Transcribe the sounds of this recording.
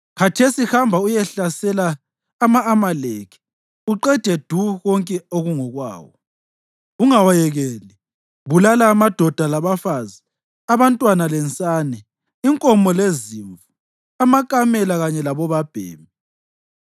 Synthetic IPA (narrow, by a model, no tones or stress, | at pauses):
kʰatʰesihambʱaujɛɬasɛlaː | maːmalekʰi̥ | uǃɛd̥ʱɛd̥ʱuɣɔŋkʼɛoɣuŋɔɣwa̰ːwɔ | uŋawajɛɣɛli | βulalaːmad̥ʱɔd̥ʱalaβafazi | aβantʼwanalɛnt͡sʼanɛ | iŋkʼɔmɔleziɱvu | amakʼamɛlaɣaɲɛlaβɔβab̥ʱḛːmi